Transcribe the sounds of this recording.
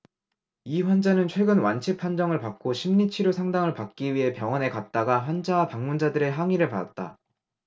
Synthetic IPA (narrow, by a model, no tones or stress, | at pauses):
iɸwand͡ʑanɯnt͡ɕʰwe̞ɡɯnwant͡ɕʰipʰand͡ʑʌŋɯɭpak̚k͈oɕʰimɲit͡ɕʰiɾosʰaŋdaŋɯɭpak̚k͈iɥiɦe̞pjʌŋʌne̞kat̚t͈aɡaɸwand͡ʑawapaŋmund͡ʑadɯɾe̞ɦaŋiɾɯɭpada̰t̚t͈a̰